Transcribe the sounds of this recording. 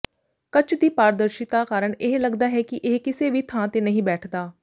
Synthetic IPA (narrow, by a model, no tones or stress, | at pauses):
kət͡ʃd̪iːpaːɾəd̪əɾʃɪt̪aːkaːɾəɳeɦləɡd̪aːɦɛːkɪʔeɦkɪseːʋiːt̪ʰãːt̪eːnəɦĩːbɛːʈʰd̪aː